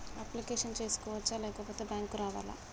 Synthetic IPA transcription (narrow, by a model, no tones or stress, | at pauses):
ɐplikeːʂɐnt͡ʃe̞ːsu̥kɔːʋɐt͡ʃːaːlɛːkɐpoːt̪eːbjaːŋkuɾaːʋaːla̰ː